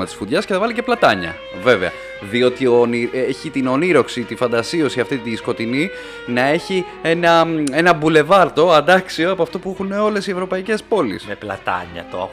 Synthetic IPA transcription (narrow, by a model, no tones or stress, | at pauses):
mɐt̪i̥sfuðʝɐsceθɐvɐlice̞plɐt̪ɐɲɐ̰ | ve̞veɐ̰ | ðio̞t̪ionieçit̪ino̞niɾo̞ksit̪ifɐnd̪ɐsio̞siɐft̪it̪isko̞t̪ini | nɐe̞çi | e̞nɐe̞nɐbule̞vɐɾt̪o̞ɐnd̪ɐksioɐpoɐft̪o̞puexuneo̞le̞sie̞vɾo̞pɐice̞spo̞lḭseplɐ̰t̪ɐ̰ɲɐ̰t̪o̰